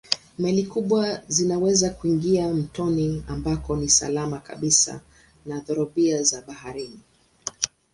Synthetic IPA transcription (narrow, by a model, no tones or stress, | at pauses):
mɛlikuɓwazinawɛzakuiŋɡiam̩tɔniambakɔnisa̰lamaka̰ɓisa̰ | naðɔɾɔɓiazaɓahaɾini